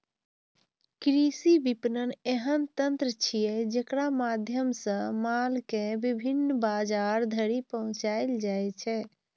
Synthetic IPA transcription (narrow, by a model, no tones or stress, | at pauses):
kɾisibipnəneɦənt̪ənt̪ɾət͡ʃʰijɛd͡ʒekɾamad̪ʱjəmsə̃malkebibʱinːbad͡ʒaɾd̪ʱəɾipəɦʊ̃t͡ʃaɪld͡ʒajt͡ʃʰɛ